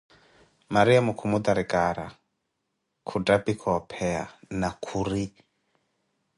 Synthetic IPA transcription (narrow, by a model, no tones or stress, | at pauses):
maɾiamukʰumud̪aɾikʼaɾa̰ | kʰutʼapʼikʰɔpʰɛa̰nakʰuɾi